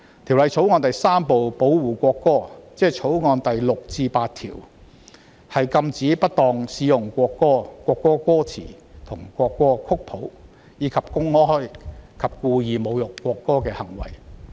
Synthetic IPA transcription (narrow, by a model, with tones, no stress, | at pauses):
t̪ʰi˨˩wlɐ˨˧jt͡sʰo˨˥wŋɔː˧nt̪ɐ˨jsaː˥mpo˨wpo˨˥wwuː˨˩kʷɔː˧kːɔː˥t͡sɛː˥t͡sʰo˨˥wŋɔː˧nt̪ɐ˨jlʊ˨k̚t͡siː˧paː˧t̚t̪ʰḭː˨˩w | hɐ˨jkɐ˧mt͡siː˨˥pɐ˥t̚t̪ɔː˨˧ŋsiː˨˧˥jʊ˨˩ŋkʷɔː˧kːɔː˥kʷɔː˧kːɔː˥kɔː˥t͡sʰḭː˨˩ | t̪ʰʊ˨˩ŋkʷɔː˧kːɔː˥kʰʊ˥k̚pʰo˨˥w | jiː˨˧kʰɐ˨p̚kʊ˥ŋɔː˥hɔ˥jkʰɐ˨p̚kuː˧jiː˨˧mo˨˧wjʊ˨˩kːɔː˧kːɔː˥kɛː˧hɐ˨˩ŋwɐ̰˨˩j